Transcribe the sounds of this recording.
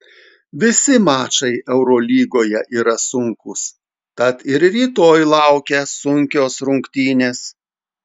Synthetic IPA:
ʋʲɪsʲɪmɑːt͡ʃɐɪɛʊɾoːlʲiːɡoːjɛʔiːɾɐsʊŋkʊs | t̪ɐt̪ɪɾɾʲiːt̪oːjlˠɐʊkʲɛsʊŋʲkʲoːsɾʊŋʲkt̪ʲiːnʲeːs

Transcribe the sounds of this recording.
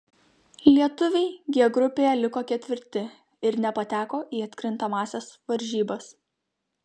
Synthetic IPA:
lʲiɛt̪ʊʋʲɛɪɡʲiɛɡɾʊpʲeːjɛlʲɪkoːkʲɛt̪ʲʋʲɪɾʲt̪ʲɪ | ɪɾnʲɛpɐt̪ʲæːkoːʔiːɐt̪ʲkʲɾʲɪnˑt̪ɐmɑːsʲɛsʋɐɾʲʒʲiːbɐs

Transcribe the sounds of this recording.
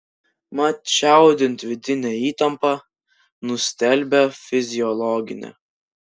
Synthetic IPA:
mɐt͡ʃʲæˑʊd̪ʲɪnt̪ʋʲɪd̪ʲɪnʲɛiːt̪ɐmpɑ | nʊsʲt̪ʲɛlʲbʲɛfʲɪzʲɪjɔlˠɔɡʲɪ̰nʲɛ̰

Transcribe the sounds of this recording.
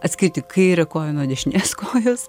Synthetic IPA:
ɐt̪ʲsʲkʲɪɾʲt̪ʲɪkʰɐɪɾʲɛkoːjɛnoːd̪ʲɛʃʲɪnʲeːskoːjoːs

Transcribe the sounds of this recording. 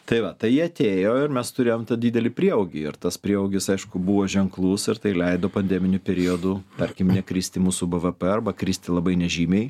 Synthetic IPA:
t̪ɐɪʋɐt̪ɐɪjiɐt̪ʲeːjoːɪrmʲɛst̪ʊɾʲeːjoːmt̪ɐdʲiːd̪ʲɛlʲɪpʲɾʲiɛoːɡʲɪɪɾt̪ɐspʲɾʲiɛoʊːɡʲɪsɐɪʃkʊbuːʋoːʒʲɛŋklˠuːsɪɾt̪ɐɪlʲɛɪd̪oːpɐnʲd̪ʲɛːmʲɪnʲʊpʲɛɾʲioːd̪uːt̪ɐɾʲkʲɪmnʲɛkɾʲiːsʲt̪ʲɪmuːsuːbəʋəpɛɐrbɐkɾʲiːsʲt̪ʲɪlˠɐbɐɪnʲɛʒʲiːmʲɛɪ

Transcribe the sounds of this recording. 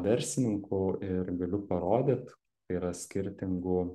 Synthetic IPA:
d̪ʲɛɾʲsʲɪnʲɪŋkʊɪɾɡɐlʲʊpɐɾoːd̪ʲet̪ | t̪ɐiɾɐsʲkʲɪɾʲt̪ʲɪŋɡʊ

